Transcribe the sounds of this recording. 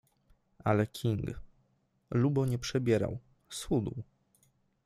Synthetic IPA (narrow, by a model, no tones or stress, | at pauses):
ʔalɛkʲʰiŋɡ | lubɔɲɛpʂɛbʲjɛɾa̰w | sxud̪uw